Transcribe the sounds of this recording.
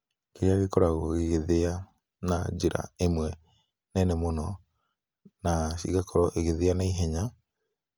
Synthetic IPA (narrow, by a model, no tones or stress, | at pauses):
keɾeaɣekɔɾaɣoɣeɣeðea | nad͡ʒeɾa̰emwɛ | nɛnɛmonɔ | nasḭɣakʰɔɾɔʔeɣeðeanaiɦɛɲa